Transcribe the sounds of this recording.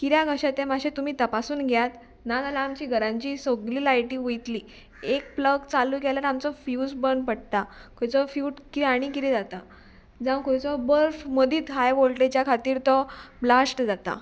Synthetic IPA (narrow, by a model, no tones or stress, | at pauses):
kiɾjaɡʱəɕat̪emaɕẽt̪um̤iːt̪əpasuːnɡʱjat̪ | nat̪alaːmt͡ɕiːɡʱəɾãɲt͡ɕiːsoɡliːlajʈiːʋujt̪li | ek̚pləɡt͡saluːɡɛlaɾamt͡sɔfjusbəɳpəɽt̪akʰojt͡sɔfjuːʈkiɾaɽ̃ikiɾid͡zat̪a | d͡zãwkojt͡sɔbəɾfməd̪ʱiːt̪ɦajbolʈet͡ɕjakʰat̪iːɾt̪ɔblasʈd͡zat̪a̰